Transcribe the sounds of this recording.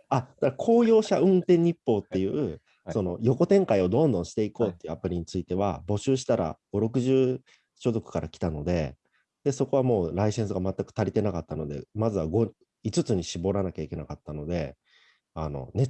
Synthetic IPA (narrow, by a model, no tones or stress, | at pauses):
ad̪̥akʰo̞ːjo̞ːɕaɯ̟̃nt̪ẽ̞ɲ̟ːipːo̞ːt̪ːe̞jɯ̟ | so̞no̞jo̞ko̞t̪ẽ̞ŋkaio̞d̪õ̞nd̪õɰ̃ɕi̥t̪e̞iko̞ːt̪ːe̞iɯ̟apɯ̟ɾʲiɲ̟it͡sɨit̪e̞βa̰bo̞ɕɨːɕ̬i̥t̪aɾa̰ɡ̥o̞ɾo̞kɯ̟ʑɨː | ɕo̞zo̞kɯ̟̥kaɾʔakʲi̥t̪ano̞d̪e̞ | d̪̥e̞so̞ko̞β̞amo̞ːɾaisẽ̞ɰ̃s̬ɨɡamat̪ːakɯ̥t̪aɾʲit̪e̞nakat̪ːano̞d̪e̞̰mazɨβaɡo̞ | it͡sɨt͡sɨɲ̟iɕibo̞ɾanakʲaikʲe̞nakat̪ːano̞d̪e̞ | ano̞̰ne